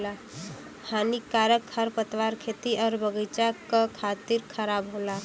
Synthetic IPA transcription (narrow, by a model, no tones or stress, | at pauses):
a | haːnikaːɾəkhəɾpət̪ʋaːɾkʰeːt̪iʔɔːɾbəɡəɪt͡ʃakakʰaːt̪iɾkʰəɾaːbɦoːla